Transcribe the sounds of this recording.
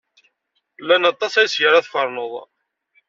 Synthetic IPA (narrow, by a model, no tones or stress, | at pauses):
lːænɑt̪ˤːɑsæjsjəɾæθfəɾˤnəðˤ